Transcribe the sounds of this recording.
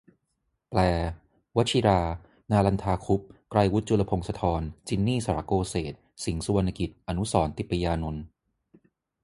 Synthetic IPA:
plɛː˨˧ | wa˦˥t̪̚t͡ɕʰi˧ɾaː˧ | naː˧la˧nt̪ʰaː˧kʰu˦˥p̚kɾa˧jwu˦˥t̪̚t͡ɕu˧la˧pʰo˧ŋsa˧t̪ʰɔː˧nt͡ɕi˧nːiː˥˩sa˧ɾa̰˧˩koː˧seː˨˩t̪̚si˩˦ŋsu˧wa˧nːa˧ki˨˩t̪̚ʔa˧nu˦˥sɔː˩˦nt̪i˨˩pːa˧jaː˧no˧n

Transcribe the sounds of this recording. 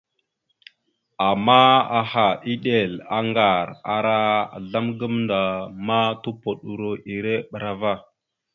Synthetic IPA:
a˨mːa˦a˨ha˨ʔi˦ɗe˨la˨ŋɡa˨ɾa˨ɾa˦˨ɮa˦mɡə˦mnda˨ma˦tu˦po˨ɗu˨ɾo˦ʔi˨ɾe˦ɓə˨ɾa˨va˦˨

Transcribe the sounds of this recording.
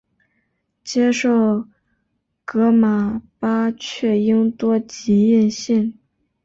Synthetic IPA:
t͡ɕjɛ˥ʂo˥˩ʊ | kɤ˧˥ma˨˩pa˥t͡ɕʰɥɛ˥˩i˥ŋt̪wɔ˥t͡ɕi˧˥jɛ˥˧nɕɛ˥˩n

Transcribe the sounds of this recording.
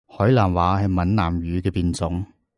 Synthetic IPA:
hɔː˨˥jlaː˨˩nwaː˨˥hɐ˨jmɐ˨nnaː˨˩mɥyː˨˧kɛː˧piː˧nt͡sʊ˨˥ŋ

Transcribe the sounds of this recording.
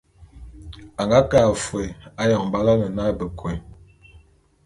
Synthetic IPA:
a˨ŋɡa˦ka˨fwe˨a˦jɔ˨ŋm˨ba˦la˦nə˨na˦bə˨kwe˨

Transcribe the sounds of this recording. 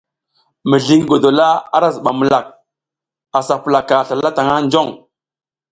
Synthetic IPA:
mə˨ɮi˦ŋ˦ɡo˨do˨la˦a̰˦ɾa˦zə˨ɓa˨mə˨la˨k̚ | a˨sa˨pə˨la˨ka˨ɬa˨la˦ta˨ŋa˦nd͡ʒo˦˨ŋ

